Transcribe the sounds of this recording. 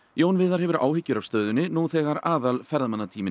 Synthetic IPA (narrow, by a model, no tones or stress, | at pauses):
joːwnvɪðaɾ̥hɛvʏɾa̰ːwhɪcːʏɾav̥st̪œːðʏnːɪnuθɛɣaɾaːðalfɛɾðamanːat̪ʰiːmɪ